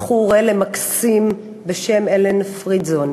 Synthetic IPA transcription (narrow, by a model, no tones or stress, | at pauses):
χuʁelemaksim | beʃe̞melenfʁizon